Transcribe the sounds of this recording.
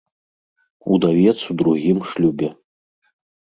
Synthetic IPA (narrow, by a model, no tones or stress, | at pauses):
ud̪avʲɛt̪sud̪ɾuɣʲimʂlʲubʲɛ